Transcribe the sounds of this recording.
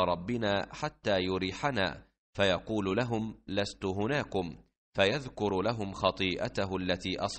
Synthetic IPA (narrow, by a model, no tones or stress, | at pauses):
ɾˤɑbːɪnaːħat̪ːaːjʊɾiːħana̰ː | fajɑquːllaɦʊmlast̪ʊɦʊnaːkʊm | fajaðkʊɾlaɦʊmxɑt̪ˤiːʔa̰t̪aɦʊʔalːat̪iːʔɑsˤ